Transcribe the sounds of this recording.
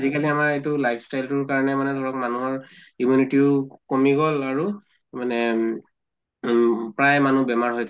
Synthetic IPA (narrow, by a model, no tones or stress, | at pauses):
zikaliamaɹetʊlajpʰstajltʊɹkaɹɔnɛmanɛdʱɔɹɔk̚manuɦɔɹimjunitiʊkomiɡɔlaɹu | manɛ | pɹajmanubɛmaɹɦojtʰ